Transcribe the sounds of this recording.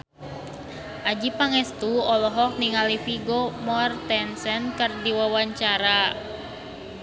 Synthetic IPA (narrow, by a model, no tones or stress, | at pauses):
ʔad͡ʒipaŋɛst̪uɔlɔɦɔk̚niŋalifiɡomɔrt̪ɛnsɛnkɨrdiwawaɲt͡ʃaɾa